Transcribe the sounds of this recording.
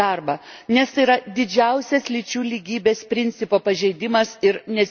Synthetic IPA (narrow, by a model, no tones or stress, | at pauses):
ɐrbɐ | nʲɛst̪ɐɪiɾɐd̪ʲɪd͡ʒʲɛʊsʲɛslʲɪt͡ʃʲuːlʲiːɡʲiːbʲeːspʲɾʲɪnʲt̪sʲɪpoːpɐʒʲɛɪd̪ʲɪmɐsɪɾnʲɛ